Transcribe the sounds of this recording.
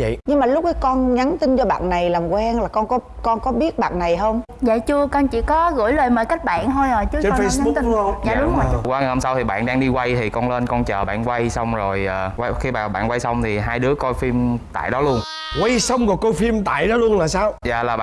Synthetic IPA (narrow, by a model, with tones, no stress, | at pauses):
və̰˧˨jɲɨ˧ŋmaː˨˩lʊ˦˥k͡p̚ka˨˦jkɔ˧nŋa˨˦nt̪ï˧nt͡ɕɔ˧ɓa̰ː˧˨nna˨˩jlaː˨˩mkwɛ˧nlaː˨˩kɔ˧nkɔ˨˦kɔ˧nkɔ˨˦ɓi˦˥ət̚ɓa̰ː˧˨nna˨˩jɦə˧wŋ͡m | za̰ː˧˨jt͡ɕɨ˧əkɔ˧nt͡ɕḭ˧˩kɔ˨˦ɣɨ̰˧˩əjləː˨˩jmə̰ː˧˨˩jka˦˥k̚ɓa̰ː˧˨nt̪ʰo˧jʔəː˨˩jt͡ɕɨ˨˦t͡ɕe˧˨˧sɲa˨˦t̪i˧ɲa̰ː˨ɗʊ˧˦ŋ͡mkwaː˨˦˨ho˧ŋ͡msa˧wt̪ʰi˨˩ɓa̰ː˧˨nɗaː˧ŋɗi˧kwa˧jt̪ʰi˨˩kɔ˧nle˧nkɔ˧nt͡ɕəː˨˩ɓa̰ː˧˨nkwa˧jsa˧wŋ͡mzo˨˩jʔəː˨˩wa˧xi˧ɓaː˨˩ɓa̰ː˧˨nkwa˧jsa˧wŋ͡mt̪ʰi˨˩ɦaː˧jɗɨ˨˦əko˧jfi˧mt̪a̰ː˧˨jɗɔ˨˦lu˧ən | kwa˧jsa˧wŋ͡mkɔ˨˩ko˧jfi˧mt̪a̰ː˧˨jɗɔ˨˦lu˧ənlaː˨˩saː˧wza̰ː˧˨˩laː˨˩ɓaː